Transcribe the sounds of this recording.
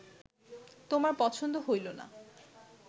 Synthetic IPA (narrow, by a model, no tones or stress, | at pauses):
t̪omaɾpɔt͡ɕʰond̪oɦojlona̰